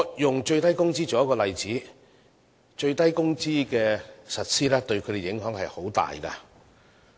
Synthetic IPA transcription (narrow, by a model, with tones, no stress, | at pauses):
ɔ˨˧jʊ˨˩ŋt͡ʃɵ˧ɥt̪ɐ˥jkʊ˥ŋt͡siː˥t͡ʃɔː˨˥jɐ˥kɔː˧lɐ˨jt͡siː˨˥ | t͡ʃɵ˧ɥt̪ɐ˥jkʊ˥ŋt͡siː˥kɛː˧sɐ˨t̚siː˥lɛː˥t̪ɵ˧ɥkʰɵ˨˧t̪e˨˩jɪ˨˥ŋɦœː˨˥ŋhɐ˨jho˨˥wt̪a̰ː˨jkɐ̰˧